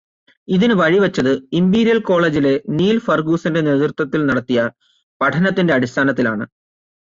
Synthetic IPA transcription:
iðinɨʋɐɻiʋɐt͡ɕːɐðɨimbiːɾijɐlko̞ːɭe̞ːd͡ʑile̞niːlfɐrɡuːsinde̞neːðurt̪wɐt̪ːilnɐɽɐt̪ːijɐ | pɐʈʰɐnɐt̪ːinde̞ɐɽist̪ʰaːnɐt̪̬ːilaːɳɨ̰

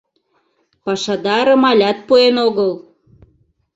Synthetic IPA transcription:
pɑʃɑd̪ɑɾɤ̆mɑlʲɑt̪̚puenoɣəl

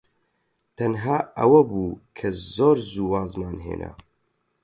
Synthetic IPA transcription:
t̪ʰɐnɦaːɐwɐbuːkʰɐzoːɾzuːwaːzmaːnɦḛːnʔa̰

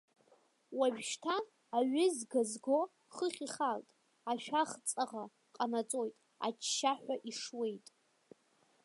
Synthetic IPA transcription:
waʒᶣʃtʰaː | ɥʏzɡazɡo̞ | χəχʲiχaltʼ | aʃᶣaχt͡sʼaʁa | qʼanat͡sʼo̞jtʼ | a̰t͡ʃʰʃaħʷᶣaʔiʂwe̞jtʼ

